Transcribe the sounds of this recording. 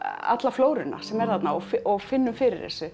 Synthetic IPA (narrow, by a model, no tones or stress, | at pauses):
a̰t̪lafloːwɾɪna̰sɛmɛɾ̥θat̪naɔfɪʔɔɣfɪnːʏmfɪːɾɪɾ̥θɛ̰sʏ